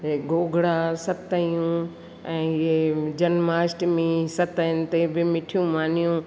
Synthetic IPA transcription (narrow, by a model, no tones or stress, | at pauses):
eɡoːɡʱɽaːsɐt̪əjũ | ɛ̃ːed͡ʒɐnmaːsʈmẽsɐt̪ənɪ̆t̪ebɪmɪʈʰijũmaːnijũ